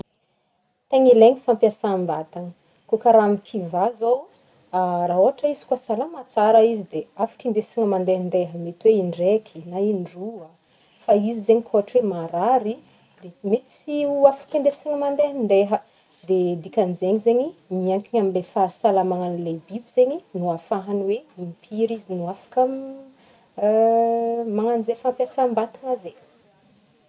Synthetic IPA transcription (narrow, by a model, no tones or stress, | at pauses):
t̪eɲileɲifampjasambat̪aŋə | kokaɾamik̪ʰivazow | araɦoɦaʈ͡ʂəizi̥kwasalamat͡saɾaizid̪eafḁkʲind̪esiŋəmand̪eɦənd̪eɦəmet̪weiɳɖ͡ʐekʰinaiɳɖ͡ʐuə | faizizeɲikʰoɦaʈ͡ʂwemaɾaɾi | d̪emet̪siuafḁkind̪esiŋəmand̪eɦənd̪eɦə | d̪ed̪ikʲanizeɲizeɲimiaŋkiɲaminlefasalamaŋanlebibiz̥eɲinuafaɦanweimpʰiɾizinuafḁkam | maŋanizefampjasambat̪iŋaze